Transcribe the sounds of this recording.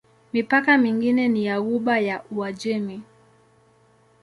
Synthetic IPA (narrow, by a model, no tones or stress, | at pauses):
mipakamiŋɡinɛnijauɓajaʔuad͡ʒɛmi